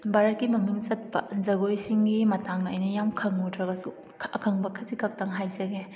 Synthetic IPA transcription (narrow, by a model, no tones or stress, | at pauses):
baɾɐt̚kːimɐmiŋzɐt̚pɐ̰zɐɡojsiŋɡimɐtaŋnɐːjnɐjamkʰɐŋutʰɾɐɡɐsu | ɐkʰɐŋbɐkʰɐtikɐk̚tɐŋɦajzɐɡe